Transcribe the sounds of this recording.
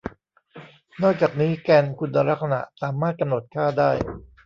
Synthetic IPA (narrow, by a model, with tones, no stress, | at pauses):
nɔː˥˩k̚t͡ɕaː˨˩k̚niː˦˥kɛː˧nkʰu˧nːa˧ɾa˦˥k̚sa˧na̰˨˩ʔsaː˩˦maː˥˩t̪̚ka˧mno˨˩t̪̚kʰaː˥˩daː˥˩j